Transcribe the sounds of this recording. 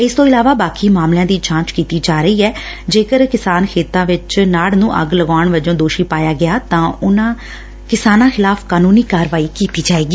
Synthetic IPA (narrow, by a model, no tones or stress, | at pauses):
ɪst̪õːɪlaːʋaːbaːkiːmaːmlɪjãːd̪iːt͡ʃãːnt͡ʃkiːt̪iːd͡ʒaːɾəiːɛː | d͡ʒeːkəɾkɪsaːnkʰeːt̪ãːʋɪt͡ʃnaːɽnũːʔə̰ɡləɡaːɳʋəd͡ʒõːd̪oːʃiːpaːjaːɡɪjaːt̪ãːʊnãː | kɪsaːnãːxɪlaːfʰkaːnũːniːkaːɾʋaːiːkiːt̪iːd͡ʒaːeːɡiː